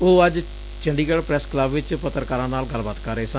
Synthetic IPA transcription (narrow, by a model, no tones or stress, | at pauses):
oːəd͡ʒ | t͡ʃəɳɖiːɡəɽpɾɛːskləbʋɪt͡ʃpət̪əɾkaːɾãːnaːlɡəlbaːt̪kəɾeeːsə̃